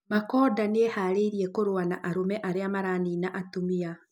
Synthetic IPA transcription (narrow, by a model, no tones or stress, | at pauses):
makɔːdaneehaːɾeiɾiɛkoɾoanaʔaɾomɛʔaɾeamaɾaːniːnaʔatomia